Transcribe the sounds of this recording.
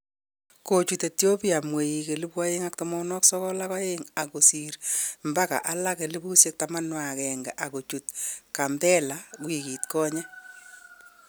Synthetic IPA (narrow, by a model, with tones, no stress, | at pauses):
ko˨t͡ʃu˨te˨tjo˦pia˨mwe˨ji˨ke˨lɪ˦pwa˦jeŋa˦k̚tɔmɔ˦nɔ˦ksɔ˦kɔ˦laka˦jeŋa˨ko˨si˨ɾmba˦ka̰˨ʔa˦la˦ke˨lɪ˦bu˦sje˦k̚ta˨ma˦nwa˨kɛ˨ŋɡa˨ʔa˨ko˨t͡ʃu˨tka˨mbɛ˦la˨kwi˨ki˨tkɔ˦ɲɛ˦